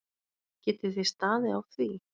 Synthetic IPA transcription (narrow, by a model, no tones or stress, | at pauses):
cɛːt̪ɪ̥θejst̪aːðɪawθvi